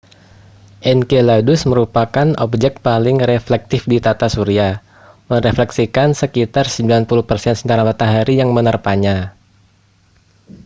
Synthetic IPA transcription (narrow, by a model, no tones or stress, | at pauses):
ʔɛnkeladʊsməɾupakanɔp̚d͡ʒɛk̚t̪̚palɪŋɾeflɛk̚t̪ɪfdit̪at̪asuɾia | məɾeflɛksikansəkit̪arsəmbilanpuluhpərsɛnsənt̪aɾamat̪aɦaɾijaŋmənərpaɲa